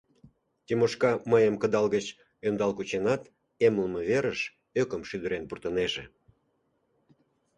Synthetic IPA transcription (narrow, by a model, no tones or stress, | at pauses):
t̪ʲimoʃkɑməjəmkəd̪ɑlɣət͡ɕ | ønd̪ɑlkut͡ɕenɑt̪ | emləməβeɾəʃ | økəmʃyd̪əɾenpurt̪əneʒe